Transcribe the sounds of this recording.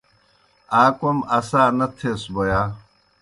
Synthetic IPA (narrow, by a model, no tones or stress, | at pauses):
aːkomɐsaːnɐt̪ʰesbojaː